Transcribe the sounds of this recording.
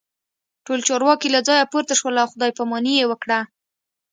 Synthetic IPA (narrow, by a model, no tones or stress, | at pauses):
ʈolt͡ʃɑɾwɑkilad͡zɑjapoɾt̪aʃwəlaːwxʊd̪ɑjpamɑnijewəkɽa